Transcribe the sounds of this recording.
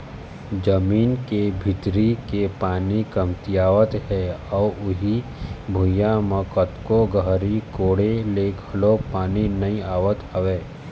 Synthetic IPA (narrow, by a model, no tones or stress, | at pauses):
d͡ʒəmiːnkebʱɪt̪ɾikepaːnikɐmt̪ijaːʋət̪ɦɛɔːʊɦibʱʊjãmə̃kət̪koɡəɦɾikoːɽeleɡʱɐlopaːninɐĩaːʋət̪əʋeː